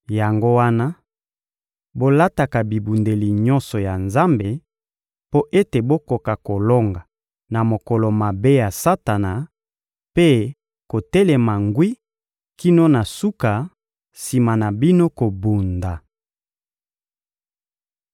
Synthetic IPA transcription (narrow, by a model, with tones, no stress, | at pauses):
ja˨ŋɡo˦wa˦na˦ | bo˦la˦ta˨ka˨bi˨bu˨nde˨li˨ɲɔ˦nsɔ˨ja˨nza˦mbe˨ | po˦ʔe˦te˨bo˦ko˨ka˨ko˨lo˦ŋɡa˨ | na˨mo˨kɔ˨lo˨ma˨be˦ja˨sa˦ta˨na˨ | pe˦ | ko˨tɛ˦lɛ˨ma˨ŋɡwi˦ | ki˦no˦na˨su˦ka˨ | si˨ma˨na˨bi˦no˦ko˨bu˨nda˨